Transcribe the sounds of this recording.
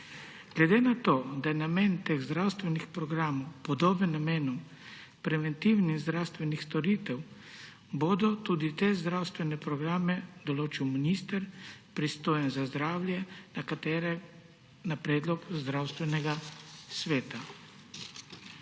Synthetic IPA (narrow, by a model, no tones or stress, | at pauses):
ɡ̥lɛd̪eːnat̪oːd̪ajɛnameːnt̪eːɣzd̪ɾawst̪ʋɛnixpɾɔɡɾaːmɔwpɔd̪oːbɛnːameːnu | pɾɛʋɛnt̪iwnizd̪ɾawst̪ʋɛnixst̪ɔɾiːt̪ɛw | bod̪ɔt̪uːd̪it̪ezd̪ɾawst̪ʋɛnɛpɾɔɡɾaːmɛd̪ɔloːt͡ʃiwminist̪əɾpɾist̪oːjɛnzazd̪ɾaːwljɛnakat̪ɛːɾɛ | napɾɛːd̪lɔkzd̪ɾaːwst̪ʋɛnɛɡasʋeːt̪a